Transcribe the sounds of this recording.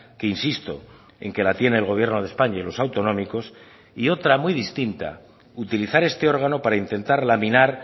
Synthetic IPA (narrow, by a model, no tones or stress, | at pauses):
keinsist̪o̞̰ | e̞̰ŋke̞lat̪je̞ne̞ːlɣ̞o̞β̞je̞ɾno̞ðe̞spaɲailo̞sawt̪o̞nõ̞miko̞s | io̞t̪ɾamiðist̪int̪a̰ | ut̪iliθaɾe̞st̪e̞o̞ɾɣ̞ano̞paɾaint̪e̞nt̪aɾlaminaɾ